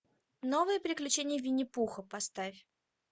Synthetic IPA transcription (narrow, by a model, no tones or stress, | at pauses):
no̞vəɨjəpɾʲɪklʲʉt͡ɕenʲɪjəvʲɪnʲɪpuxəpɐst̪afʲ